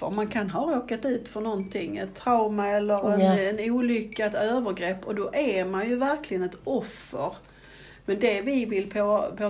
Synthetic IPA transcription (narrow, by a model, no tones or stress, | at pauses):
ə̰ɾmankʰanɦɑɾoːkat̪ʉ̟ːt̪fɔnɔnt̪ʰɪŋːɛ̰t̪ʰːɾaʊmaɛlːəɾɛnɛnuːlʏkːat̪øːvəɾɡɾɛpːɔd̪ɔʔæmanjɵvæɾklɪɡənɛt̪ɔfːəɾ | mɛnd̪ɛvɪvɪlpʰɔpʰɔ